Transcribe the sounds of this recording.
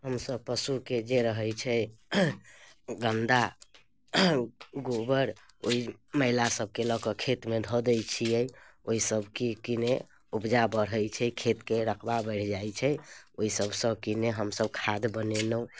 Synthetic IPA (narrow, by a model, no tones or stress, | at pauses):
ɦəmsəb̚pəsuked͡ʒeɾəɦəjt͡ʃʰɛ | ɡənd̪a | ɡobəɾ | oiməɦilasəb̚ʱkeləkɔkʰet̪med̪ʱod̪ət͡ʃʰijɛjoisəbʱkikine | ubd͡ʒabəɽ̤ɦəjt͡ʃʰɛkʰet̪keɾəkʰbabəɽ̤ʰd͡ʒajt͡ʃʰɛoisəbsə̃bkineɦəmsəb̚kʰad̪bənenəũ